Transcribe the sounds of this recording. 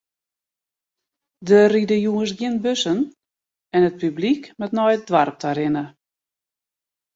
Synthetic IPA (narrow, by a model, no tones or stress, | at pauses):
dəridəjuəsɡjɪnbøsən | ɛnət̚pyblikmɛtnɔjdʋarp̚taɾɪnə